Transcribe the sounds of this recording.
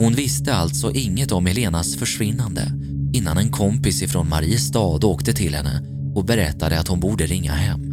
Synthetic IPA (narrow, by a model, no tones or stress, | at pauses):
hʊnvɪst̪əalt̪sɔʔɪŋːət̪ɔmɛleːnasfœʂvɪnːand̪ə̰ | ɪnːanɛnkʰɔmpɪsɪfɾoːnmaɾiːəst̪ɑːd̪oːkt̪ət̪ʰɪlhɛnːə̰ | ɔbɛɾɛt̪ːad̪əat̪hʊnbuːɖəɾɪŋːa̰ɦɛmː